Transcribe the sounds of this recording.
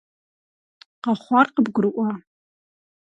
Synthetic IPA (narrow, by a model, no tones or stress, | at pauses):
qɑχʷɑrqəbɡʷʊɾɨʔʷa